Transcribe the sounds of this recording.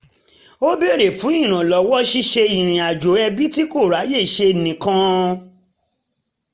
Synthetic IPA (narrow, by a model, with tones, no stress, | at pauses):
o˦be˦˨ɾe˨fũ˨˦ĩ˦˨ɾ̃ã˨lɔ˨˦wɔ˦ʃi˦ʃe˧i˨ɾ̃ĩ˨a˨d͡ʒo˨˦ɛ˧bi˦ti˦ko˦˨ɾa˨˦je˦˨ʃe˧˨nĩ˨kã˦